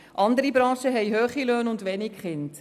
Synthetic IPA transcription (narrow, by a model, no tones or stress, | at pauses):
ʔɑndəɾibɾɑ̃ːʃəɦɛjɦøːχiløːnʊndʋɛnɪkχɪnt